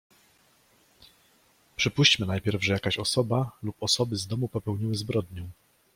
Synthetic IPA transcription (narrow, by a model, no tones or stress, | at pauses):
pʂɘpuɕt͡ɕmɘnajpʲjɛɾvʐɛjakaɕɔsɔbalupɔsɔbɘzd̪ɔmupɔpɛwɲiwɘzbɾɔd̪ɲɛ